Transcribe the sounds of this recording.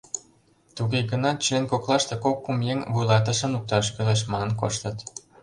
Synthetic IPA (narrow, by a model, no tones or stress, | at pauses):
t̪uɣeɡənɑt͡ɕlenkoklˠɑʃt̪ekokːumjeŋvujlɑt̪̬ə̆ʃə̆nuk̚t̪ɑʃkøleʃ̬mɑnə̆nko̰ʃt̪ə̆t̪